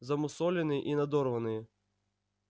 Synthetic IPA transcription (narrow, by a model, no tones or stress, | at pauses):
zɐmʊsɔlʲɛnɨʔinɐd̪ɔrʋɐnɨj